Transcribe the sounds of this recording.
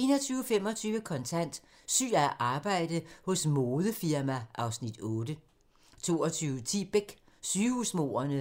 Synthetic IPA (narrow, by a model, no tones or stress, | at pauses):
e̝ːnɐt͡sʰyːʊfem̰ɒ̽t͡sʰyːʋəkʰɒ̽nt͡sʰæn̰d̥ | sy̰ːæʔɑ̈ːb̥ɑ̈ɪ̰d̥əhɔ̽smoːðˠəfiɐmæʔɑ̈ʊsnid̥ɔːd̥ə | t͡sʰo̝ːɒt͡sʰyːʊət͡sʰḭːb̥eɡ̥ | syːusmo̝̰ːɐnə